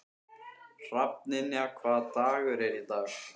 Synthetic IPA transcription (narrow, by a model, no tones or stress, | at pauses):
r̥ap̚nɪnːɪakʰvaːt̪aːɣʏɾɛɾit̪aːx